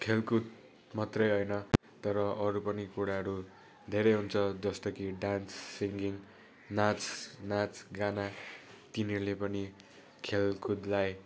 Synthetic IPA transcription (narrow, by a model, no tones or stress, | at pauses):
kʰelkud̪̚ | mʌt̪rʌjɦojnʌ | t̪ʌɾʌʔʌɾupʌnikuɽaɦʌɾu | d̪ʱeɾʌjɦunt͡sʰʌd͡zʌst̪ʌkiɖansːiŋɡiŋ | nat͡snat͡sɡanat̪ineulepʌni | kʰelkud̪laj